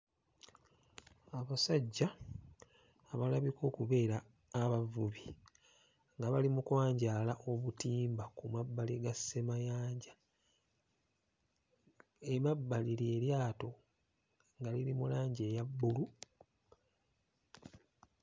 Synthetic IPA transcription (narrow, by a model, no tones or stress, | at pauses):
aβasaɟːa | βalaβiko̞ːkuβe̞ːɾaː | βavuβi | ŋɡaβalimukwaːɲɟalaʔo̞βutiːmbakumabːaliɡasːemajaːɲɟa | emabːaliɾie̞ɾjaːto̞ | ŋɡaliɾimulaːɲɟe̞jabːulu